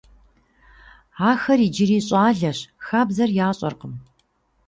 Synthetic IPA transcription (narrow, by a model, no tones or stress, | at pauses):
aːxɐrid͡ʒɪɾiːɕʼaːɮɐɕxaːbzɐrjaːɕʼɐ̰rqəm